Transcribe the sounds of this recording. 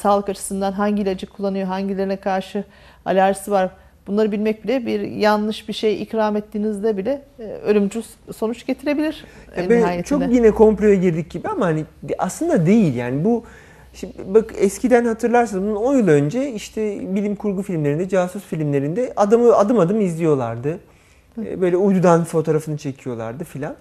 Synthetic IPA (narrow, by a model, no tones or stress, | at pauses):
saːlˠɯkat͡ʃʰɯ̥sɯnd̪anɦaɲɟiilʲad͡ʒɯkʰːulˠːanɯjo̞ɦaɲɟilʲe̞ɾinɛkʰaɾʃɯ | a̰lʲaɾsivaɾ | b̥unlˠaɾɯbilʲmɛc̚bilʲɛbiɾjanlˠɯʃbiʃe̞jḭcɾaːmɛt̪ʰːiːnizd̪ɛbilʲɛølʲymd͡ʒyzso̞nut͡ʃɟ̥e̞t̪ʰiɾe̞bilʲiɾ̥jabajet͡ʃʰo̞k̪jinɛkʰo̞mplʲo̞jaɟiɾd̪ic̚ɟibiamahanid̪ʔaslˠɯnd̪ad̪e̞jilʲjaːnibu | ʃibakɛscʰid̪ænhat̪ʰɯɾlˠaɾsazbununo̞njɯlˠø̞nd͡ʒɛiʃt̪ʰɛbilʲimkʰuɾɡufilʲimlʲe̞ɾind̪ɛd͡ʒaːsusfilʲimlʲe̞ɾind̪ɛʔad̪ɯmɯad̪ɯmad̪ɯmizlʲijo̞lˠa̰ɾd̪ɯ̰ | bø̞jlʲɛujd̪ud̪anfo̞t̪ʰo̞ɾafɯnɯt͡ʃʰe̞cʰijo̞lˠa̰ɾd̪ɯfilʲan